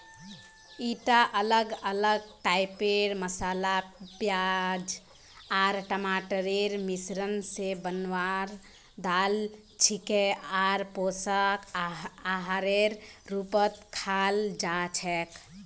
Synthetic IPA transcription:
iʈaʔələɡələɡ̚ʈajpeɾməsalapjad͡ʒ | aɾʈəmaʈəɾeɾmisɾənsebənwaɾ | d̪al | t͡ʃʰikeaɾposəkaɦaɾeɾːupət̪kʰald͡ʒat͡ʃʰɛk

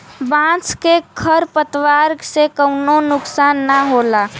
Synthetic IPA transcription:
bãt͡skekʰəɾpət̪ʋaɾɡsekəwnonʊksanːaɦola

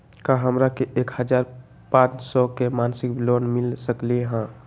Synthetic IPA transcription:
kaɦəmɾakeʔekhəd͡ʒaɾ | pãt͡ʃsɔkemansɪk̚blonmɪlsəklieɦã

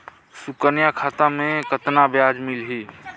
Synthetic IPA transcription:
sʊkənjakʰaːt̪amẽkət̪nabjaːd͡ʒmɪlɦiː

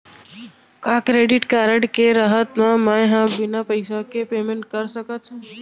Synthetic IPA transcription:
kakɾeːɖɪʈkaːɾəʈkeɾaɦət̪mãmãjɦãbɪnapəɪsakepeːmẽɳʈ̚kəɾsəkət͡ʃʰ

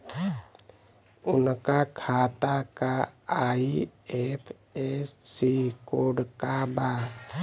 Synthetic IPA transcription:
unkakʰat̪akaː | iepʰ | esːikoɖkaba

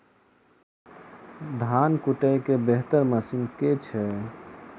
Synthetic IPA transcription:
d̪ʱankuʈəjkebeɦt̪əɾməsimket͡ʃʰɛ

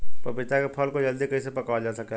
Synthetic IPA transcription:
pɐbɪt̪akepʰəlkod͡ʒɐld̪ikɐis̬epɐkad͡ʒasəke

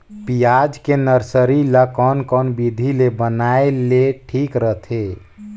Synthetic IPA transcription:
pijad͡ʒkenəɾsəɾilakɔnkɔnbid̪ʱilebənaeleʈʰikɾəɦt̪ʰe

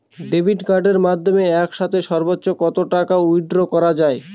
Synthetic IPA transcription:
ɖebʱiʈkaɾɖeɾmad̪ʱːomeɛkʃat̪ʰeʃɔɾbotːɕokɔt̪oʈakaujɖɾokɔɾad͡ʑae

